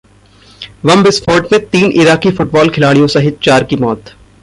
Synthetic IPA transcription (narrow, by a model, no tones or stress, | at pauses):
ʋɐmbɪsfʰɔːʈmẽt̪iːnʔɪɾaːkifʊʈbɔːlkʰɪlaːɽijõsɐɦɪt̪̚t͡ʃaːɾkimɔːt̪